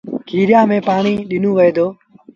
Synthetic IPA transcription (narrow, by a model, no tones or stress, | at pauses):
kʰiːɾɪjaːmẽːpaːɳiːɗɪnoːʋəeːd̪oː